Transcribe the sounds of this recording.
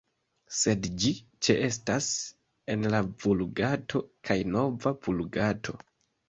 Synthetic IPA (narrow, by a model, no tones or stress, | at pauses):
se̞dd͡ʒit͡ʃeʔe̞stas | e̞nlavulɡatʰo̞kʰajno̞vavulɡatʰo̞